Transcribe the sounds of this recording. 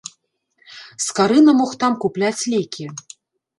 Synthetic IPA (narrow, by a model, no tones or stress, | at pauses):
skaɾɨnɐmɔxt̪amkuplʲat͡sʲlʲekʲʰi